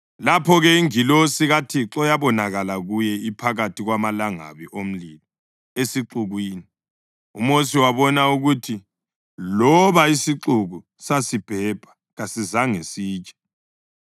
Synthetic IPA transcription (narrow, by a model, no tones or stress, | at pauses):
lapʰɔɣɛiŋilosiɣatʰiǁɔjaβɔnaɣalaɣujɛipʰaɣatʰiɣwamalaŋa̰βiʔom̩lilɔ | esiǁuɣwiːni | umos̬iwaβɔnauɣutʰi | lɔβaisiǁuɣu | sasib̥ʱɛb̥ʱḁ | ɣasizaŋesiːt͡ʃʼɛ̥